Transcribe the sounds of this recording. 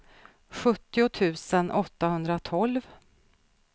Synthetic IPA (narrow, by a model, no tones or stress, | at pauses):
ɧɵt̪ːɪʊt̪ʰʉ̟ːsənʔɔt̪ːahɵnd̪ɾat̪ʰɔlv